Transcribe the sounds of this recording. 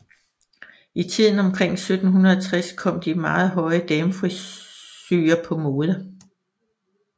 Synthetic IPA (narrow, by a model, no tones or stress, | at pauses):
it͡sʰið̰ˠn̩ɒ̽mkʰʁeŋ̰sød̥n̩ɦunɐðˠɐt͡sʰʁaskʰɒ̽m̰d̥imɑ̈ːð̩ˠɦɒ̽ɪəd̥emfʁisyːɐpʰɒ̽mo̝ːðˠə